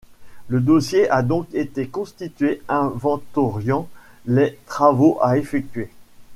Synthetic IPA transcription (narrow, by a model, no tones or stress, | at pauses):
ləd̪osjeʔad̪ɔ̃ket̪ekɔ̃st̪it̪ɥeɛ̃vɑ̃t̪ɔʁjɑ̃ | let̪χavoʔaefɛk̚t̪ɥe